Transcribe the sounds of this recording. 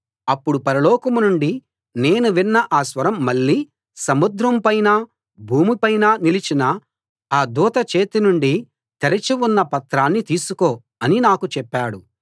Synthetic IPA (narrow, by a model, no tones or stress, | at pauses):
ɐpːuɽupɐɾɐlɔːkɐmunuɳɖi | ne̞ːnuʋinːɐʔaːsʋɐɾɐmːɐɭːiː | sɐmud̪ɾɐmpɐjnaː | bʱuːmipɐjnaːnilit͡ʃinɐ | aːd̪uːt̪ɐt͡ʃe̞ːt̪inuɳɖi | t̪ɐɾɐt͡ʃiwunːɐpɐt̪ɾaːnːit̪iːsukoː | ɐninaːkut͡ʃɛpːaːɽu